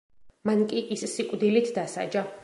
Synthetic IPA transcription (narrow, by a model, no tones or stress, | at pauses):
mankʼiʔissikʼd̪ilit̪ʰd̪asa̰d͡ʒa